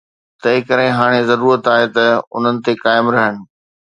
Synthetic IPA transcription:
t̪ɐɦɪ̃kɐɾɪ̃ɦaːɽ̃ezɐɾuːɾət̪aːɦet̪ɐʊ̰n̤ənɪ̆t̪ekaːɪmɾɐɦəɽ̃ɪ̆

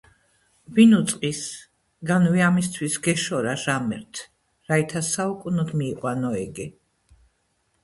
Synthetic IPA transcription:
binut̪sʼqʼis | ɡanviamist̪ʰwisɡɛʃɔɾaʒamɛɾt̪ʰ | ɾait̪ʰasaukʼunɔd̪miːqʼwanɔɛɡɛ

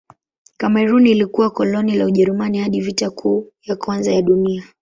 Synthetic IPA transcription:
kamɛɾunilikuwakɔlɔnilauʄɛɾumanihaɗivitakʰuːjakwanzajaɗunia

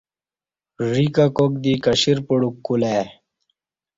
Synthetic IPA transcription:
ɾikakok̚d̪ikɐɕiɾpuɽukːule

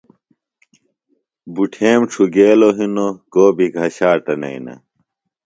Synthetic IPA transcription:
buʈʰeːmʈ͡ʂʰuɡeːloɦinokoːbʱiɡʱɐɕaːʈɐnɐ̰inɐ̰

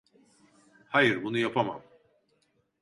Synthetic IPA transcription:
hajɯɾbunujapʰama̰m

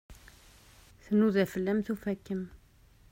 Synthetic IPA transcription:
θənuðæfəlːæmθufækːəm

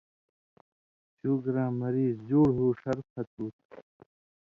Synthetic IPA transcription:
t͡ɕuːɡɾãːmɐɾiːzd͡ʑoːɽɦuːʂɐɾfʰɐt̪̚uːt̪̚

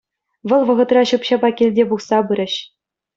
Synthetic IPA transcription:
ʋɤ̆lˠʋɤ̆ʁɤ̆t̪rɑɕɯpɕɑbɑkʲilʲdʲebuχsɑbɯɾʲɘ̆ɕ

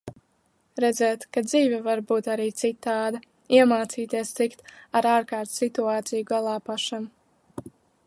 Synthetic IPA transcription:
ɾɛd̪zɛːt̪kad̪ziːvʲɛvaɾbuːt̪aɾiːt̪sit̪ːaːd̪a | iɛmaːt̪siːt̪iɛst̪sikt̪aɾaːɾkaːɾt̪sit̪uaːt̪sijuɡalˠaːpaʃam

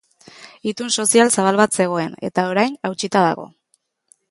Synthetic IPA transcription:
it̪unso̞sialsaβ̞alβat̪se̞ɣ̞o̞e̞ne̞̰t̪ao̞ɾajnawt͡ʃit̪aða̰ɣ̞o̞̰

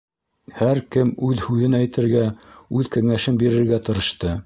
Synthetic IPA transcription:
hæɾkɘmʉðhʉðɘnæjt̪ɘ̆ɾɡæʉðkæŋæʃɘmbiɾɘ̆ɾɡæt̪ɤ̆ɾɤ̆ʃt̪ɤ

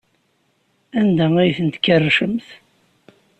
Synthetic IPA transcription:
ænd̪ææjθənt̪kːərːʃəmθ

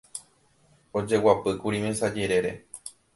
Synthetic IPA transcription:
o̞d͡ʒe̞wapɨkuɾĩmẽsad͡ʒe̞ɾe̞ɾe̞̰

